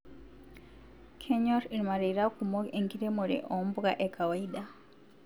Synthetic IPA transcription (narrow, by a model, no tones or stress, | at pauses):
kʰeɲoɾiɾimaɾiɾakumoeŋɡiɾemuɾḛʔombuɣaʔekawaida